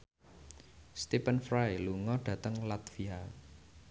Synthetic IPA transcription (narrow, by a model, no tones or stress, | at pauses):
st̪ipənfɾajluŋɔɖ̥ä̤t̪əŋlat̪fia